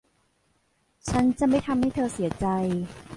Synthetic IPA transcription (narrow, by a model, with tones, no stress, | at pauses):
t͡ɕʰa˦˥nt͡ɕa˨ma˥˩jt̪ʰa˧mha˥˩jt̪ʰɤː˧si˨˩˦ɐt͡ɕa˧j